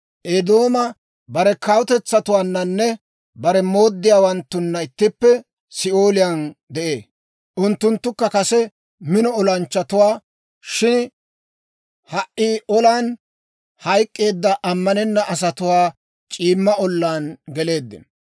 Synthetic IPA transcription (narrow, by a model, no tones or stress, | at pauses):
ʔed̪o̞ːmɐ | bɐɾɛkawt̪ɛt͡sːɐt̪ʊwaːnːɐnːɛ | bɐɾɛmo̞ːd̪ːɪjaːwɐnt̪ːʊnːɐɪt̪ːɪpːɛ | sɪo̞ːlɪjaːnd̪ɛʔe̞ː | ʔʊnt̪ːʊnt̪ːʊkːɐkɐsɛ | mɪnɔɔlɐnt͡ʃːɐt̪ʊwaː | ʃɪn | hɐʔːiːʔɔlaːn | hɐjkʼːe̞ːd̪ːɐʔɐmːɐnɛnːɐʔɐs̬ɐt̪ʊwaː | t͡ʃʼiːmːɐɔlːaːnɡɛle̞ːd̪ːɪ̰nɐ